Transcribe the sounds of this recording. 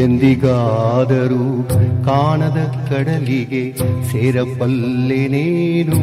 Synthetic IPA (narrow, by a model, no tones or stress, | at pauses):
end̪iɡaːd̪ɐɾukaːɳɐd̪ɐkɐɽɐliɡeseːɾɐbːɐlːeneːnu